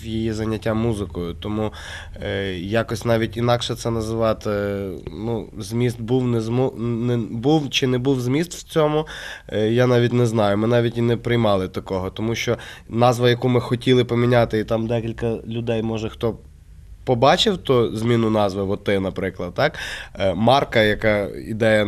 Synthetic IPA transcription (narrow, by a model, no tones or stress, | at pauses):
jijizɐnʲːɐtʲːamuzɪkɔjʊt̪ɔmu | jɑkɔsʲnɑʋʲitʲinɑkʃɛt̪sɛnɐzɪʋɑt̪ɪnuzʲmʲist̪̚buwnɛzmunɛbuwt͡ʃɪnɛbuwzʲmʲist̪w̥t͡sʲɔmʊjanɑʋʲitʲnɛznɑjʊmɪnɑʋʲitʲinɛpɾɪjmɑlˠɪt̪ɐkɔɦɔt̪ɔmuʃt͡ʃɔnɑzʋɐjɐkumɪxɔtʲilˠɪpɔmʲinʲat̪ɪit̪ɑmd̪ɛkʲilʲkɐlʲʊd̪ɛjmɔʒɛxt̪ɔ | pɔbɑt͡ʃɪwt̪ɔzʲmʲinʊnɑzʋɪʋɔt̪ɪnɐpɾɪklˠɐd̪̚t̪ɑkmɑrkɐjɐkɑid̪ɛjɐ